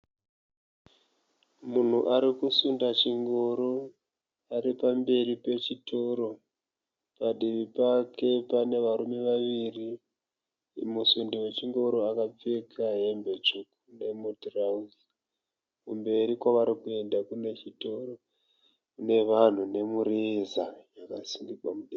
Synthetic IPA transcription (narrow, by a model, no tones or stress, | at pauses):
mun̤uʔaɾikusundat͡ʃiŋɡo̞ɾo | aɾipambe̞ɾipe̞t͡ʃito̞ɾo̞ | paɗiʋipake̞pane̞ʋaɾume̞ʋaʋiri | musundiwe̞t͡ʃiŋɡo̞ɾo̞akap͡fekʰaɦe̞mbe̞t͡ʃukune̞mutrauzi | kumbe̞ɾikwaʋaɾikue̞ndakune̞t͡ʃito̞ɾo̞ | kune̞ʋan̤une̞muɾizajakasindikwamuɗi